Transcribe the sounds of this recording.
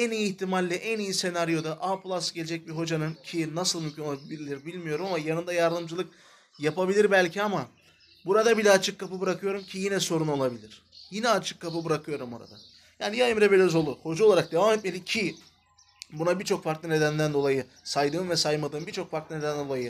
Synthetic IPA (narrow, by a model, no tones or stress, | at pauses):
ænijiːht̪ʰimalʲːɛʔænijise̞naɾijo̞d̪aʔapʰlˠasɯɟeed͡ʒɛc̚biɦo̞d͡ʒanɯncʰinasɯlˠmymʲcʰynoabilʲiɾbilʲmijo̞ɾumamajanɯnd̪ajaɾd̪ɯmd͡ʒɯlˠɯk̚ | japabilʲiɾbælʲcʰiama | buɾad̪abilʲɛat͡ʃʰɯkʰːapɯbɯɾakʰɯjo̞ɾumcʰijinɛso̞ɾuno̞lˠabilʲiɾ̥ | jinɛat͡ʃʰɯ̥kʰːapɯbɯɾakʰɯjo̞ɾumboɾa̰d̪a̰ | jaːnijajɯmɾebelʲøzolˠuho̞d͡ʒaoaɾak̚d̪e̞aːmɛt̪̚mʲelʲicʰi | bunabiɾt͡ʃʰo̞kfaɾklˠɯne̞d̪ænd̪ænd̪o̞lˠajɯ | sajd̪ɯːnvɛsajmad̪ɯːmbiɾt͡ʃʰo̞kfaɾk̪lˠɯne̞d̪ænnd̪o̞lˠajɯ